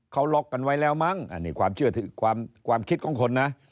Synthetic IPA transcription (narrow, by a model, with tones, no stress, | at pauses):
kʰa˦˥˩wlɔ˦˥kːa˧nwa˦˥˩jlɛː˧˥˩wma˦˥˩ŋʔa̰ː˨˩niː˦˧˩kwaː˧mt͡ɕʰɯ˥˩ɐt̪ʰɯː˨˩˦kʰwaː˧mkʰwaː˧mkʰi˦˥t̪̚kʰɔː˧˩˦ŋkʰo˧nːa˦˥ʔ